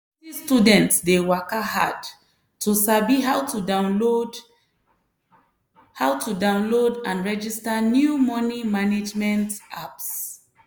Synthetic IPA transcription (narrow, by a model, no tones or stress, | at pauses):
tistudɛ̃ntsdewakahad | tʰusabiɦawtuda | hawtudãʊ̃nlodãnɹɛd͡ʒistanjumɔnimaned͡ʒmɛ̃ntʔaps